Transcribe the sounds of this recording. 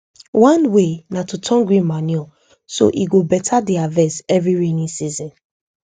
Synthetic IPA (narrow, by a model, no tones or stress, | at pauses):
wãnwenatutʰɔ̃ŋɡɹĩmaniɔ | so̰ʔiɡobɛtʰadiavɛsɛvɹiɹinĩsizɔ̃n